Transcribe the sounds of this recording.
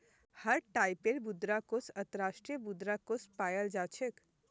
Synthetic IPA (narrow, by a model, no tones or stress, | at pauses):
həɾʈaːjpeɾbud̪ɾakosə̃nt̪əɾaːʃʈɾijəbud̪ɾakospajəld͡ʒat͡ʃʰek